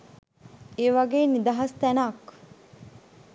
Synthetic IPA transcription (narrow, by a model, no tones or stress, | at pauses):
eːʋɐɡeːnid̪ɐɦɐst̪ænak